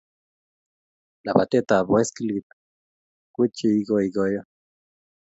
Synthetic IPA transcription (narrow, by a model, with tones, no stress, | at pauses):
la˨ba˨t̪e˦t̪a˨bwe˦ski˦lɡi˨t̪ | kʷi˦t͡ʃi˧i˦ɡoiɡojo˦